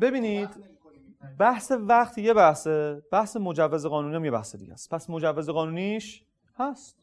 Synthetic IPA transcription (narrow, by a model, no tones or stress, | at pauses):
be̞biːniːd̪ | bæhsevæqt̪ʰje̞bæhsebæhse̞mod͡ʒævːeze̞ɣɒːnunijæmjebæ̰hsed̪ḭɟæ̰st̪̚pʰæsmod͡ʒævːezeɣɒːnuːniʃ | hæst̪